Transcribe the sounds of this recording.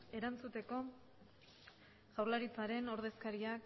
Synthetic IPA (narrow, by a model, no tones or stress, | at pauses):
e̞ɾant͡sut̪e̞ko̞ | ɣawɾlaɾit͡saɾe̞no̞ɾð̞e̞skaɾiak